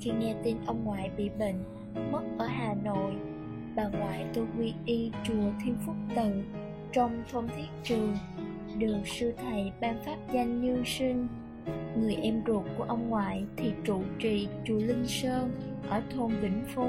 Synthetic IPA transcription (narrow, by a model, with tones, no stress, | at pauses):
xi˧ŋɛ˧t̪i˧nʔə˧wŋ͡mŋwa̰ː˧˨jɓḭ˧˨ɓə̰˧˨ŋ̟ | mə˦˥t̚ʔəː˧˦ɦaː˨˩no̰˧˨j | ɓaː˨˩ŋwa̰ː˧˨jt̪o˧jkwi˧ʔi˧t͡ɕu˨˩ət̪ʰi˧ənfʊ˦˥k͡p̚t̪ɨ˨˩ | t͡ɕɔ˧wŋ͡mt̪ʰə˧wŋ͡mt̪ʰi˦˥ət̚t͡ɕɨ˨˩əŋ | ɗɨ˨˩ək̚sɨ˧t̪ʰə˨˩jɓaː˧nfaː˦˥p̚za˧jŋ̟ːi˧əwsï˧ŋ̟ | ŋɨ˨˩əjʔɛ˧mzu˨˩t̚ku˧˩əʔə˧wŋ͡mŋwa̰ː˧˨jt̪ʰi˨˩t͡ɕu˧˨t͡ɕḭ˧˨t͡ɕu˨˩lï˧ŋ̟səː˧nʔəː˧˩t̪ʰo˧ŋ͡mɓï˧˩ŋ̟fo˧˦